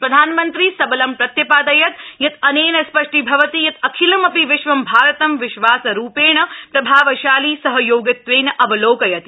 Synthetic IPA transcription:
pɾɐd̪ʱaːnmɐnt̪ɾisɐbɐlɐmpɾɐt̪jɐpaːd̪ɐjɐt̪jɐt̪ɐneːnɐspɐʂʈibʱɐʋɐt̪ijɐt̪ɐkʰilɐmɐpiʋɪʃʋɐmbʱaːɾɐt̪ɐmʋɪʃʋaːsɐɾuːpeːɳɐpɾɐbʱaːʋɐʃaːliːsɐɦɐjoːɡɐt̪ːʋeːnɐʔɐbɐloːkɐjɐt̪

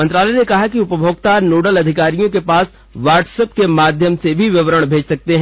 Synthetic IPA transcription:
mɐ̃nt̪ɾaːlɛnekɐɦakiʊpəbʱoːɡt̪aːɾnoːɖəlɐd̪ʱɪkaːɾijõkepaːs | ʋaːɾʈsəpkemaːd̪ʱjəmsebʱiʋɪʋəɾəɽ̃bʱeːd͡ʒsɐk̚t̪eɦɛ̃

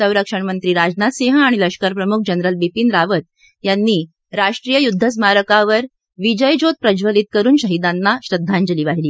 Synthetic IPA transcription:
səwɾəkʂəɳmənt̪ɾiːɾad͡znat̪seɦaɽ̃iləɕkaɾpɾəmuk̚ʰd͡ʑənɾəlbipiːnɾaʋət̪̚ | janːiː | ɾaʂʈɾiːjəjud̪ʱːəs̬maɾəkaʋəɾ | ʋid͡ʑəjd͡ʑot̪̚pɾəd͡ʑʋəliːt̪̚kəɾuːnɕəɦid̪anːaɕɾəd̪ʱːaɲd͡ʑəliːʋaɦiliː

